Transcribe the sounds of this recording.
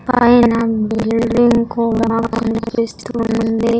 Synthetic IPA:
pɐjnɐbilɖiŋkuʋakunpist̪unund̪i

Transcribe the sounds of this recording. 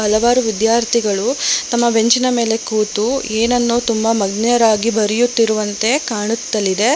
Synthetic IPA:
ɦɐlɐʋaːɾuʋid̪jaːɾt̪ʰiɡɐɭut̪ɐmːɐbʱe̞ɲt͡ʃinɐme̞ːle̞kuːt̪ueːnɐnːoːt̪umbɐmɐɡnɛjɐɾaːɡibɐɾijut̪ːiɾuʋɐnt̪e̞kaːɳut̪ːɐlːid̪e̞

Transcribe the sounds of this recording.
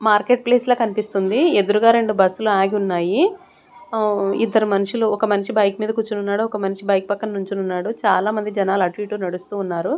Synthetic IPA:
maːɾke̞ːʈ̚pleːsloːkɐnipist̪und̪ied̪uɾuɡaːɾe̞ɳɖubɐsːuluaːɡiunːaːji | ḭd̪ːɐɾumɐnuʂuluɔkɐmɐniʂibɐjkmiːd̪ɐkut͡ʃːununːaːɽuɔkɐmɐniʂibɐjk̚pɐkːɐnnuɲt͡ʃununːaːɽut͡ʃaːlaːmɐnd̪id͡ʒɐnaːlɐʈʋiːʈuːnɐɽust̪uːnːaːɾu

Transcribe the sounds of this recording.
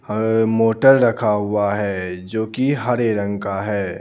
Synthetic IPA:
moːʈəɾɾɐkʰaɦʊaɦɛːd͡ʒoːkiɦɐɾeɾə̃ŋɡkaɦɛː

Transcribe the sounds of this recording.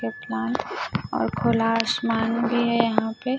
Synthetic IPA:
eplaːnɔ̰ːɾkʰoːlaːsmaːnbʱiɦɛjɐɦãpe

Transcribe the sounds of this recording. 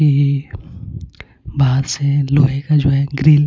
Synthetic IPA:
i | baːd̪seloːɦekad͡ʒoːɦɛɡɾiːl

